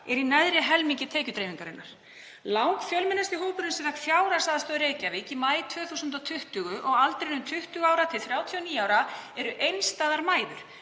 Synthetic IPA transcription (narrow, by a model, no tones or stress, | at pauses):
ɛɾinajðɾɪɦɛlmiɲcɪt̪ʰeːcʏt̪ɾejmiŋkaɾɪnːaɾ̥ | lawŋkfjœlmɪnːast̪ɪɦoːwpʏɾnɪnsɛθakfjaːwɾasaðast̪œːðɾeːjcavɪɛcɪmaːjt̪ʰvœːθusʏnt̪at̪ʰʏht̪ʏɣʏʔɔɣalt̪ɾejnʏmt̪ʰʏht̪ʏɣaːwɾat̪ʰɪlθɾjaːwt̪ʰiɔniːjaːwɾaɛɾʏʔejnst̪aːðaɾmaːjðʏɾ̥